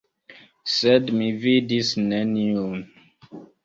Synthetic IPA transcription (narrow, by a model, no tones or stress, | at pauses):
sɛdmividisnɛniun